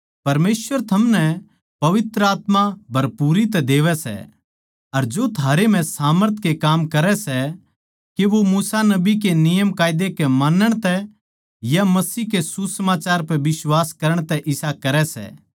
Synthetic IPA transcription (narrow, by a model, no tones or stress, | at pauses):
pɐɾmeːsʋəɾt̪ʰɐmnɛ | pɐʋɪt̪ɾəaːt̪mabʱɐɾpuːɾit̪̬ɛd̪eːʋɛsɛ̰ | ɐɾd͡ʒot̪ʰaːɾem̤ɛ̃saːməɾt̪ʰkekaːmkɐɾɛsɛ | keʋomuːsanɐbik̬enɪjəmkaːɪd̪ekemaːnəɽ̃t̪ɛ | jamɐsiːkesusəmaːt͡ʃaːɾpɛʋɪswaːskɐɾəɽ̃t̪ɛʔɪsakɐɾɛsɛ̰ː